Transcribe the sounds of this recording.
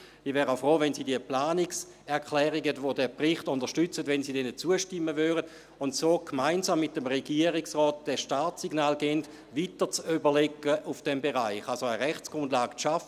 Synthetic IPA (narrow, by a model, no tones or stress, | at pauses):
ivɛːʁaʊfʁoːʋɛnsiːdiəplaːnɪks | ɛɐkʰlɛːʁiɡəvodɛːpʁɪχtʊndəʃtyt͡sətʋɛnsiːdɛnət͡suəʃtɪmːəvøːʁəd | ʊntsoːkʰmaɪnzamːɪtəmʁeɡiɐʁiksʁɔːt̚d̥ɛʃtaːtiɡnaːlɡɛnt | vitət͡sybəlɛkːəʔufd̥ɛmbeʁaɪχalsoəʁɛχt͡sɡ̥ʁʊndlaːɡʃafə